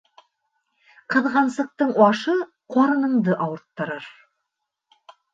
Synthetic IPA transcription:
qʰəðʁɑnsəq̚t̪əɴwɑʃə | qʰoɾənəmd̪əʔɑwəɾt̪ːəɾəɾ

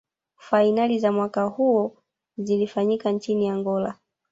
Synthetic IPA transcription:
fainalizamwakahuɔ | zilifaɲikant͡ʃiniaŋɡɔla

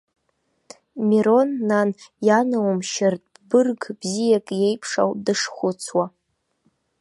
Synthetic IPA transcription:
miɾo̞nːanjanawmʃɪrtʼ | bɨrɡbzijakʼje̞jpʰʂa̰wdɨʂχʷʊt͡sʰwa

